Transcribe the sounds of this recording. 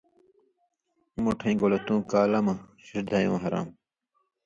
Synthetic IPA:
moʈʰɐĩːɡolɐt̪ũːkaːlɐmɐɕiɾd̪ʱajõ̰ːɦɐɾa̰ːm

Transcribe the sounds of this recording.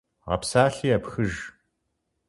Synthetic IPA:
ʁɐ̰psaːɬiːjapxɨʒ

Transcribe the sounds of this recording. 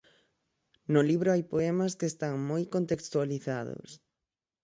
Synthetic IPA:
nʊliβɾʊajpoɛmɐskeːst̪aŋmojkont̪ekst̪ualiθaðʊ̰s

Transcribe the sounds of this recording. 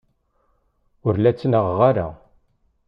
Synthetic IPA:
ʊɾlæt͡sːnəʁːaɾa̰

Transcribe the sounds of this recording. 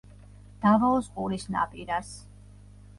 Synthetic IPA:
d̪̥avɔlɔsqʼuɾisna̰pʼiɾas

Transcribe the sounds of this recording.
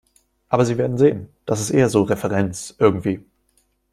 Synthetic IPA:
ʔaːbɐziːveːɐdn̩zeːənd̥as̬ɪstʔḛːɐzoːʁɛfɛʁɛnt͡sʔɪɐɡŋ̩tv̥iː

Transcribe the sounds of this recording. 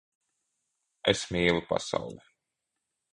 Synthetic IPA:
esmiːlˠupa̰sa̰wlˠɛ

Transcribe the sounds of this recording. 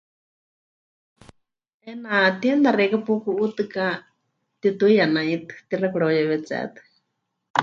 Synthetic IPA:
ɛnat̪iɛnd̪arɛkapukuʔut̪ɨka | t̪it̪uijanãit̪ɨ̥t̪irakuɽojaβɛt͡sɛ̰ːt̪ɨ̥

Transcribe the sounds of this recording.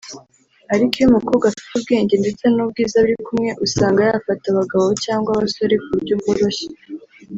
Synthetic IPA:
aɾikijumukoːbɡafi̥tubɡe̞ːɲɟe̞nde̞t͡senub̚ɡiːzaβuɾikumŋe̞ʔusaːŋɡajafataβaɡaβo̞caːŋɡwaβaso̞ɾe̞kuɾɟobɡoɾoʃe̥

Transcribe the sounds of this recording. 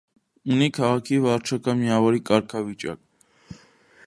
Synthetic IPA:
unikʰɑʁɑkʰivɑɾt͡ʃʰɑkɑnmiɑvɔɾikɑɾkʰɑvit͡ʃɑ̰k̚

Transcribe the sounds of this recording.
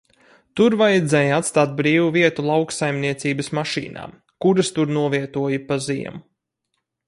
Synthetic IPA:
t̪uɾvajɛd̪zɛːjat̪st̪aːt̪̚bɾiːvuviɛt̪ulˠawksajmniɛt̪siːbɐsmaʃḭːna̰ːm | kuɾast̪uɾnuɔviɛt̪uɔjipazḭɛ̰m

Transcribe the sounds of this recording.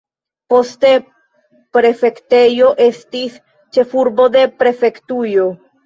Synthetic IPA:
po̞ste | pɾe̞fe̞kte̞jo̞ʔe̞stis | t͡ʃe̞fuɾbo̞de̞pɾe̞fe̞ktujo̞

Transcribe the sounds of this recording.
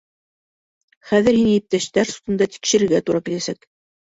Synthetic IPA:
χæðɘɾhinɘjɘ̆p̚t̪æʃt̪æɾsu̥t̪ɤ̆nd̪ɑt̪i̥kʃɘ̆ɾɘ̆ɾɡæt̪uɾɑkilæsæk

